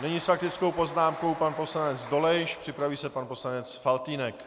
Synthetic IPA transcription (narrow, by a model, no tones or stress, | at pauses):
nɛɲisfak̚t̪ɪt͡sko̞wpo̞znaːmko̞wpanpo̞slanɛd͡zdo̞lɛjʃpr̥ɪpɾaviːsɛpanpo̞slanɛt͡sfalt̪iːnɛk